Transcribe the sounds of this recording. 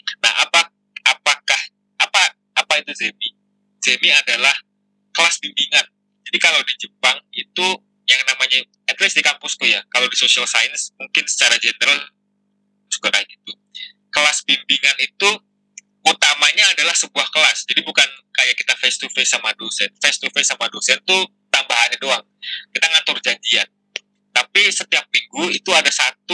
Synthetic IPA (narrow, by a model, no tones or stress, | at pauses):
na̰ha̰pa | apakah | apa | apait̪uzemi | z̥emiadalah | kəlasbimbiŋan | d͡ʒadikalawdid͡ʒəpaŋit̪u | jaŋnamaɲa | ɛt̪lɪsdikampʊsk̪ujakalawdisosialsajənsmuŋkɪnsə̥t͡ʃaɾad͡ʒenəɾal | su̥kəɾak̚it̪u | kəlasbimbiŋanit̪u | ut̪amaɲaːdalahsəbuahkəlasd͡ʒadibukankajakit̪afest̪ufesamadosɛnfest̪ufesamadosɛnt̪u | t̪ambaɦanadoaŋ | kit̪aŋat̪ʊrd͡ʒaɲd͡ʒian | t̪apisət̪iap̚miŋɡuit̪uadasat̪u